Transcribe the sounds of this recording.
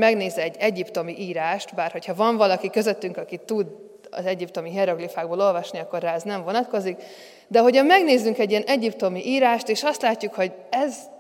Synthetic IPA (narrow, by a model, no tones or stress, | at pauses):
mɛɡneːzɛɟːɛɟipt̪o̞miʔiːɾaːʃt̪baːrho̞chɒvɒɱvɒlɒkikø̞zøt̪ːyŋkɒkit̪ud̪ | ɒ̰zɛɟipt̪o̞miɦɛɾoɡlifaːɡboːlo̞lvɒʃniɒkːorːaɛznɛɱvo̞nɒt̪ko̞zik | d̪ɛɦo̞cɒmɛɡneːzyŋkɛɟːiɛnɛɟipt̪o̞miʔiːɾaːʃt̪eːʃɒst̪laːcːukho̞ɟɛz